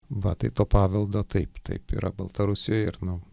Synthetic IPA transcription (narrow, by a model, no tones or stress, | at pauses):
ʋɐt̪ɐɪt̪oːpɑːʋʲɪlˠd̪oːt̪ɐɪpt̪ɐ̰ɪpḭːɾɐ̰bɐlˠt̪ɐɾʊsʲɪjoːjɪɾnʊ